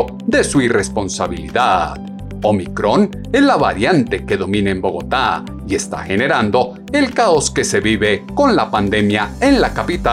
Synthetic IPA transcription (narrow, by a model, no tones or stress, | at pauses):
d̪e̞suire̞spo̞nsaβilḭðað | o̞mikɾo̞n | ezlaβa̰ɾjant̪e̞ke̞ðo̞mĩneembo̞ɣo̞t̪a | ie̞st̪a̰xe̞ne̞ɾand̪o̞ | e̞lkaoske̞seβiβeko̞nlapand̪e̞mjae̞nlakapit̪a